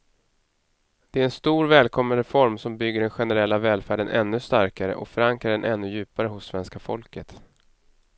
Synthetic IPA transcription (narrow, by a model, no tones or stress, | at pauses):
d̪̥ɛæɾɛnst̪uːɾvɛːlkʰɔmːənɾəfɔɾmsɔmbʏɡːəɖɛnɧɛnɛɾɛlːavɛːlfæːɖənʔɛ̰nːɵst̪aɾkaɾə̰ʔɔfœɾaŋkɾaɖɛnʔɛnːɵjʉ̟ːpaɾəɦʊsːvɛnskafɔlkət̪